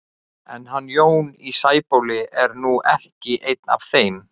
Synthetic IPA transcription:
ɛnɦanːjoːwnisaːjpowlɪɛɾnuʔɛhcɪʔejt̪na̰v̥θejm

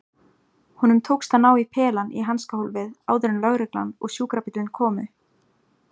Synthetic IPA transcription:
hunʏmt̪ʰowkst̪anaːwipʰɛːlanʔḭɦanskaholvɪða̰ːwðʏɾɪnlœɣɾɪkla̰nɔ̰ɣsjuːkɾapit̪lɪnkʰɔːmʏ

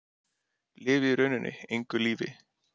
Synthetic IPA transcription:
lɪːvɪɾœnʏnʔɪ̰ejŋkʏliːvɪ̰

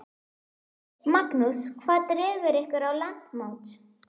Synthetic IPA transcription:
maknuskʰvaːt̪rɛːɣʏɾɪhkvɪɾawlan̥t̪mowt̪

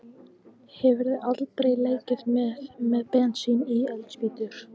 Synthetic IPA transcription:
hɛvɪɾðɪat̪lt̪ɾejleːjcɪɾ̥t̪mɛmɛðpɛnt̪siniɛlt̪spiːt̪ʏɾ̥

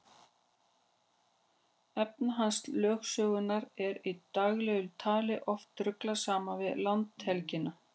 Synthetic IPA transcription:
ɛpnaɦanslœːxsœːɣʏnːaɾɛɾit̪aɣlɛɣʏlt̪ʰaːlɪʔɔft̪ːɾʏklasaːmavɪðlant̪hɛlcɪna

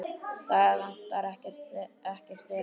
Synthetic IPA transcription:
θaɣðan̥t̪aɾɛhcɛr̥t̪ɛhcɛr̥t̪fɛːɾ

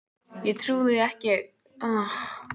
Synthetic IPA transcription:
jɛɣt̪ʰɾuːðɪɛhcɪ | ɔx

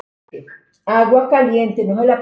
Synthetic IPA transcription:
aɡwakalijentenoɦala

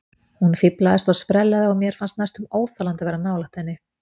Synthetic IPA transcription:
hunfiplaðɪst̪aɣspɾɛlːaðɪɔɣmjɛɾ̥fanst̪najst̪ʏmoːwθalant̪ɪvɛːɾanaːwlaht̪hɛnːɪ

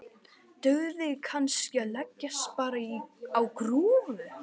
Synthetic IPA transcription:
t̪œɣðɪkʰanscɪalɛcːaspaːɾaiawkɾuːvʏ

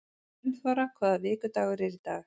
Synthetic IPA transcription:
nfaɾakʰvaːðavɪːkʏt̪aːɣʏɾɛɾit̪aːx

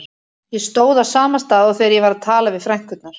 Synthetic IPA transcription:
jɛst̪oːwðasaːmanst̪aːðɔwθejɾjɛvaɾaðt̪ʰaːlavɪðfɾɛŋ̥kʏt̪naɾ̥

